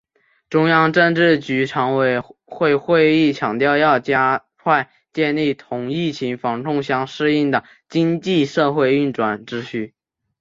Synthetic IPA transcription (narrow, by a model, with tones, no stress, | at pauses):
ʈ͡ʂʊ˥ŋjɑ˥ŋʈ͡ʂə˥˧nʈ͡ʂɻ̩˥˩t͡ɕy˧˥ʈ͡ʂʰɑ˧˥ŋwe˧˩ɪxwe˥˧ɪxwe˥˧ɪi˥˩t͡ɕʰjɑ˨˩ŋt̪jɑ˥˧ʊjɑ˥˩ʊt͡ɕja˥ | kʰwa˥˧ɪ | t͡ɕjɛ˥˧nli˥˩t̪ʰʊ˧˥ŋi˥˩t͡ɕʰi˧˥ŋfɑ˧˥ŋʈ͡ʂʰʊ˥˧ŋɕjɑ˥ŋʂɻ̩˥˧i˥˩nd̪ə˩ | t͡ɕi˥ŋt͡ɕi˥˧ʂɤ˥˧xwe˥˧ɪy˥˩nʈ͡ʂwa˨˩nʈ͡ʂɻ̩˥ɕʰy˥˩